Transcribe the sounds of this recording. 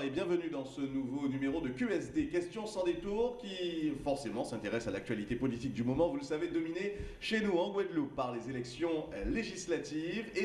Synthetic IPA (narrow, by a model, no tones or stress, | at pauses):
ebjɛ̃vənyd̪ɑ̃sənuvonymeʁod̪əkʲyɛsd̪ekʲɛst̪jɔ̃sɑ̃d̪et̪uʁkʲifɔʁsemɑ̃sɛ̃t̪eʁɛsalak̚t̪ɥalit̪epɔlit̪ik̚d̪ymɔmɑ̃vuləsaved̪ɔmineʃenuɑ̃ɡwad̪lupːaʁlezelɛksjɔ̃leʒislat̪ive